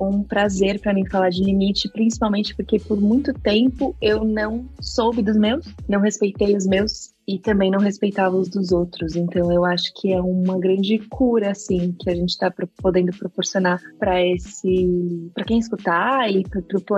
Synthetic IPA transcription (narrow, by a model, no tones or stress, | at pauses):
ũpɾazeɾpɾɐmĩj̃falaɾd͡ʒɪlimit͡ʃɪpɾĩsi̥pawmẽnt͡ʃɪ̥poɾkepoɾmũj̃t̪ʊt̪ẽmpʊewnɐ̃w̃sowbɪd̪ʊzmewsnɐ̃w̃hespejt̪ejʊzmews | ɪt̪ɐ̃mbẽj̃nɐ̃w̃hespejt̪avɐʊzd̪ʊzowt̪ɾʊzẽnt̪ɐ̃w̃ewaʃʊ̥kʰɪɛũmɐɡɾɐ̃nd͡ʒɪkʰuɾɐːsĩkɪaʒẽnt͡ʃɪ̥t̪apɾopod̪ẽnd̪ʊpɾopoɾsionaɾpɾɐesɪpɾɐkẽj̃ɪskut̪aɪppɾʊp